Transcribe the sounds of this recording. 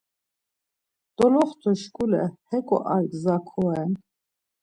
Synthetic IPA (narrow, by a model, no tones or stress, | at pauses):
d̪̥ɔlɔχt̪ʰɔʃkʼulɛ̰hɛkʼɔ̰ʔalɡzakʰɔɛn